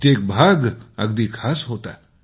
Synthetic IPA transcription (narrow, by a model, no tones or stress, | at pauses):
t̪ek̚bʱaɡə̰ɡd̪iːkʰaːsɦot̪a